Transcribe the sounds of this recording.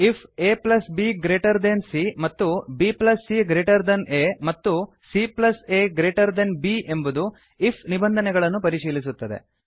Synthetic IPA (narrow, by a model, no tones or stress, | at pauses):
ipʰeːplɐsbiːɡɾeːʈɐɾd̪ensimɐt̪ːubiːplɐsːiɡɾeːʈɐɾd̪ɐneːmɐt̪ːu | siplɐseːɡɾeːʈɐɾd̪ɐnbiːʔe̞mbud̪u | ipʰnibɐnd̪ʱɐnɛɡɐɭɐnːupɐɾiʃiːlisut̪ːɐd̪ḛ